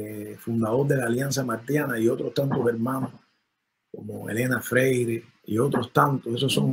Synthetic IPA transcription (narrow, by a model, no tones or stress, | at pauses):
fund̪aðoɾðe̞laljans̬amaɾt̪janaiot̪ɾoht̪ant̪oseɾmãno | komoḛlenafɾejɾe | ḭot̪ɾost̪ant̪oesosːoŋ